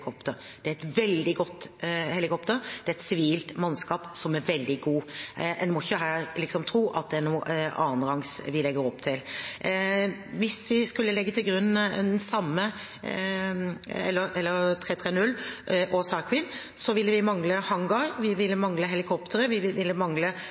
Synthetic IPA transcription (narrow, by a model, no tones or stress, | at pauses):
kʰɔpt̪əɾ | d̪ɛæɾɛt̪ʋɛld̪ɪɡɔt̪ːhɛlɪkʰɔpt̪əɾd̪̥ɛæɾɛt̪sɪʋiːlt̪mɑnskɑːpsɔmæɾʋɛld̪ɪɡuːɛnmɔɪçːəɦæːɾlɪksɔmt̪ʰɾuːʔɑ̰t̪̚d̪ɛænuːɑ̰ːnlɑŋsʋɪlɛɡːəɾɔpːt̪ʰɪl | ʋɪsʋɪskʉlːəlɛɡːət̪ʰɪlɡɾʉnːɛ̰nsɑmːə | ɛlːəɾɛlːəɾt̪ʰɾeːt̪ʰɾeːnʉlːʔoːsɑkʰʋɪn | sɔʋɪlːəʋɪmɑŋləhɑŋɡɑɾʋɪʋɪlːəmɑŋləɦɛlɪkʰɔpt̪ʰəɾəʋɪʋɪʋɪlːəmɑŋlə